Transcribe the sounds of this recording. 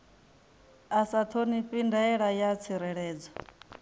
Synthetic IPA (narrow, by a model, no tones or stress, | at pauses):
asat̪ʰoniɸindaɛɺajat͡sʰiɾɛɺɛːd͡zɔ